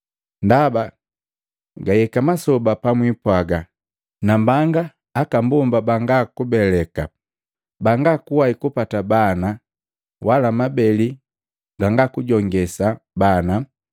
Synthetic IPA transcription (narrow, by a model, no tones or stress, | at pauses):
ndaba | ɡajɛkamasɔbapamwipwaɡa | nambaŋɡaː | kambumbabaŋɡakubɛlɛka | baŋɡakuwaikupatabana | walamabɛli | ɡaŋɡakuɟɔŋɡɛsabana